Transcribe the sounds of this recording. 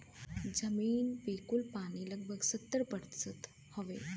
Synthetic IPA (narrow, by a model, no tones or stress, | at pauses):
d͡ʒəmiːnpeːkulpaːɽ̃iləɡ̚bʱəɡsət̪ːəɾpəɾsət̪ | hɔʋe